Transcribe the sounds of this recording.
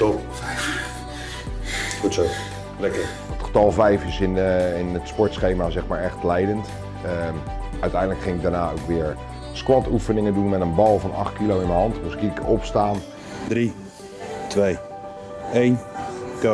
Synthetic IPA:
tɔfɛjf | χutso | lɛkər | ətχə̥tɑlˠvɛjfɪsɪnɪnətspɔɹtsχejmaːzɛχmaːɹɛχtlɛjdənt | əœɥtɛjndələkχɪŋɪk̚daːɹnaːowkʋɪəɹ | skwɑtufənɪŋədunmɛtənbɑlˠvɑnɑ̰χt̚kilowɪnəɦɑntmuskikəɔpstaːn | dri | tʋej | ejnk

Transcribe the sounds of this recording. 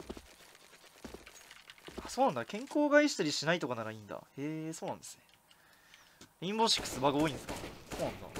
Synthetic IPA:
aso̞ːnãnd̪akẽ̞ŋko̞ːɡaiɕi̥t̪aɾʲiɕinait̪o̞kanaɾaĩnd̪a̰eːso̞ːnãnd̪e̞sɨ̥ne̞̥ | ĩmboɕi̥kːɯ̟̥sɨbaɡaoːĩnd̪esɨ̥ka̰so̞ːnãnd̪a̰

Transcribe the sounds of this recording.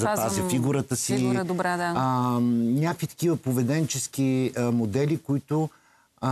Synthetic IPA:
zɐaziffiɡuɾət̪əsid̪bɾɛd̪a | nʲakvit̪ɐ̥kʲivəpovɛd̪ɛnt͡ʃɛsk̟imod̪ɛlʲikʊit̪ʊ

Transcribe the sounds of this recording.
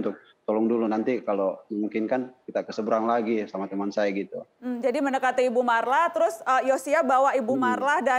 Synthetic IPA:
nt̪ʊk̚ | t̪ɔlɔŋdulunant̪ikaloməmuŋkɪnkankit̪akəsəbəɾaŋlaɡisamat̪əmansajaɡit̪ud͡ʒadimənəkat̪iibumarlaht̪əɾʊsəjosiabawaʔibumarlahda

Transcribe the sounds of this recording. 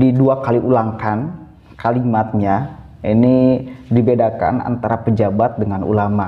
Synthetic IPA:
diduakaliʔulaŋkan | kalimat̪̚ɲa | inidibedaka̰na̰nt̪aɾapəd͡ʒabat̪̚dəŋanṵlama

